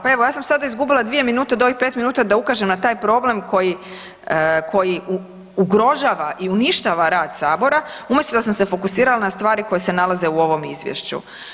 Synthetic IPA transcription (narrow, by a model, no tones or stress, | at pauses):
pae̞ʋo̞jaːsamsad̪aizɡubilˠad̪ʋije̞minuːt̪ad̪o̞ʋixpet̪minuːt̪ad̪aukaʒemnat̪aːjpɾo̞ble̞mkʰo̞ji | kʰo̞jiu | uɡɾo̞ʒaːʋaʔiuniʃt̪aːʋaɾaːd̪saːbo̞ɾaumje̞st̪od̪asamse̞fo̞kusiːɾalanast̪ʋaːɾiko̞jese̞nalˠaze̞uo̞ʋo̞mizʋjḛʃt͡ɕṵ